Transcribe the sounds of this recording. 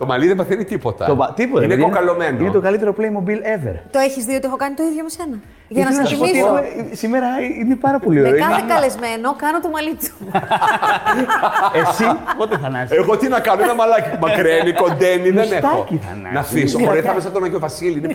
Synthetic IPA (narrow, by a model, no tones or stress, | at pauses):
t̪o̞mɐliðevɐθinit̪ipot̪ɐ̰t̪oɐt̪ipot̪ɐneðoinkɐlo̞menoinet̪o̞kɐlit̪e̞ɾoplejmo̞bilevḛɾt̪o̞eçizðiot̪iexokɐnit̪o̞iðʝomesenɐ | ʝɐnɐsnɐsspoisiexumesimeɾɐine̞pɐɾɐpo̞lioɾiɐmekɐlezme̞nokɐnot̪omɐlit͡su̥ | esipot̪eθɐnɐzeɣot̪inɐkɐnoenɐmɐlɐcimɐkɾeniko̞nd̪eniðesnet̪ɐxo̰ciθɐ̰nɐ̰nɐfisooɐɾiθɐmesɐt̪onɐʝovɐsiliine